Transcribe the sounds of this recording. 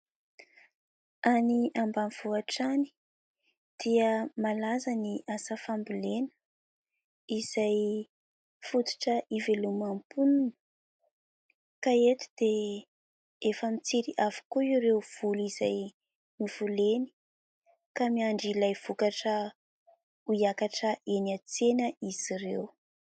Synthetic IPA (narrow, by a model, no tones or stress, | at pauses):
aniʔambamiv̥uaʈ͡ʂani̥ | d̪̥iəmalazaniʔasafambilenə̥ | iz̥aj | fut̪u̥ʈ͡ʂəʔivelumampununə̥ | kaet̪u̥d̪̥e | efəmit͡siɾiʔafu̥kuiɾewv̥uliz̥aj | miv̥uleni̥ | kamiaɳɖ͡ʐilajv̥ukaʈ͡ʂə | ujakaʈ͡ʂəʔenat͡senəʔiz̥irḛw